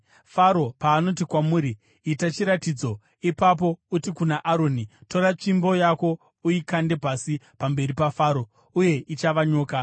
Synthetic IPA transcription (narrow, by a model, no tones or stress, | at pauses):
faɾo̞paːnot̬ikwamuːɾiː | tat͡ʃiɾatid͡zo̞ | ipap̬o̞utikunaʔaɾoːnito̞ɾat͡ʂimbo̞jako̞ | uikande̞pasipambe̞ripafaɾo̞ | uje̞it͡ʃaʋaɲo̞ːka